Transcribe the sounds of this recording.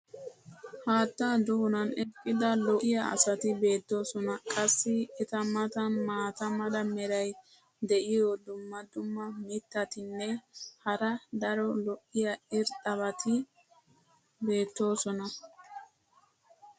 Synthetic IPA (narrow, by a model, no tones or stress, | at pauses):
haːt̪ːad̪ʊʊnɐnɛkʼːɪd̪ɐlɔʔɪjɐɐ̰sɐt̪ɪbe̞ːt̪ːo̞ːsɔnɐkʼɐsːɪɛt̪ɐmɐt̪ɐmaːt̪ɐmɐd̪ɐmɛɾɐj | d̪ɛʔɪjɔd̪ʊmːɐd̪ʊmːɐmɪt̪ːɐt̪ɪnːɛhɐɾɐd̪ɐɾɔlɔʔɪjɐɪɾt̪ʼɐβɐt̪ʰɪ | be̞ːt̪ːo̞ːsɔnɐ